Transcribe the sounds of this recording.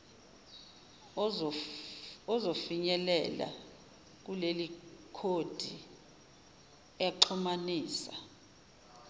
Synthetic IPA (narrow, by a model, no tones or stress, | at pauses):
ɔzofiɲɛlɛ̰la̰ | k̬ulelikʰod̥ʱi | ɛǃʰumaniːsa